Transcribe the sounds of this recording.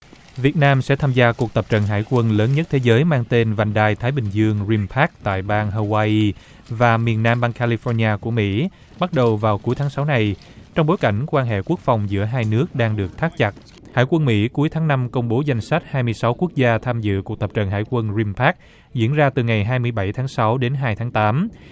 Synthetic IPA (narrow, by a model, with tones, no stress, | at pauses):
vi˨˩ət̚naː˧msɛ̰˧˥t̪ʰaː˧mzaː˧ku˨˩ək̚t̪ə˨˩p̚t͡ɕə̰˧˨nɦa̰ː˧˩jkwə˧nləː˨˦nɲə˦˥t̚t̪ʰe˨˦zəː˨˦jmaː˧ŋt̪e˧nva˨˩jŋ̟ɗaː˧˩jt̪ʰaː˨˦jɓï˨˩ŋ̟zɨ˧əŋzi˧mpʰaː˦˥k̚t̪a̰ː˧˨jɓaː˧ŋɦo˧waː˧ʔi˧ | vaː˨˩mi˨˩ənːaː˧mɓaː˧ŋkʰaː˧li˧fɔ˧nɲaː˧ku˧˩əmḭ˧˥ | ɓa˦˥t̚ɗə˨˩wvaː˨˩wku˨˦jt̪ʰaː˨˦ŋsa˨˦wna˨˩j | t͡ɕɔ˧wŋ͡mɓo˨˦jka˧˩jŋ̟kwaː˧nɦḛ˧˨ku˦˥ək̚fa˨˩wŋ͡mzɨ̰˧˥əɦaː˧jnɨ˦˥ək̚ɗaː˧ŋɗɨ˨˩ək̚t̪ʰaː˦˥k̚t͡ɕa˨˩t̚ | ha̰ː˧˥˩jkwə˧nmḭ˧˥ku˨˦əjt̪ʰaː˨˦ŋna˧mkə˧wŋ͡mɓo˨˦za˧jŋ̟sa˦˥jt̚haː˧jmɨ˧əjsa˨˦wku˦˥ək̚zaː˧t̪ʰaː˧mzɨ̰˧˨ku˨˩t̪ʰə˨˩p̚t͡ɕə̰˧˨nɦa̰ː˧˥jkwə˧nzi˧mpʰaː˦˥k̚ | zḭ˧˥ənzaː˧t̪ɨ˨˩ŋa˨˩jɦaː˧jmɨ˧əjɓa˧˩jt̪ʰaː˨˦ŋsa˨˦wɗe˨˦nɦaː˧jt̪ʰaː˨˦ŋt̪aː˨˦m